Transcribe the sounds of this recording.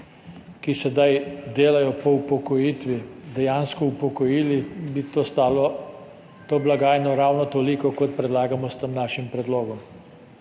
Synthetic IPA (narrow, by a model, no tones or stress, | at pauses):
kisɛd̪ajd̪eːlajɔpɔwpɔkɔjiːt̪ʋid̪ɛjaːnskɔwpɔkɔjiːlibit̪ost̪aːlɔ | t̪oːblaɡaːjnɔɾawnɔt̪oːlikɔkɔt̪̚pɾɛd̪laːɡamɔst̪əmnaːʃimpɾɛd̪loːɡɔm